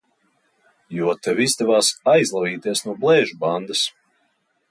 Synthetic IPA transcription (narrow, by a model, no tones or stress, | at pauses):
juɔt̪ɛvizd̪ɛvaːsajzlˠaviːt̪iɛsnuɔblˠɛːʒuband̪as